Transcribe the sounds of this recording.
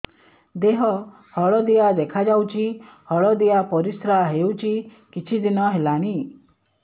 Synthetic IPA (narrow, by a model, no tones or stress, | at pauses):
d̪eɦɔ | hɔɭɔd̪ijad̪ekʰad͡ʒawt͡ʃʰihɔɭɔd̪ijapɔɾisɾaɦewt͡ʃʰi | kit͡ʃʰid̪inɔɦelaɽ̃i